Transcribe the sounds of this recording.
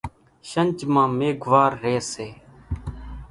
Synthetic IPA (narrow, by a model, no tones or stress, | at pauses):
ʃənʲt͡ʃmãːmeːɡʋaːɾːeːseː